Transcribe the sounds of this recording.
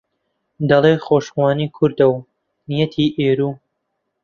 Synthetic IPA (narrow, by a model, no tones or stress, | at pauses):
d̪ɐlˠeːxoːʃxwɑːniːkʰʊɾd̪ɐw | nijɐt̪ʰiːʔeːɾuː